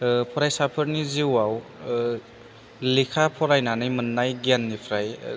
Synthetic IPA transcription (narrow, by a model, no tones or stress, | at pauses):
pʰɔɾajsapʰɯɾniziwaw | likʰapʰɔɾajnanɯjmɯnːajɡanːipʰɾaj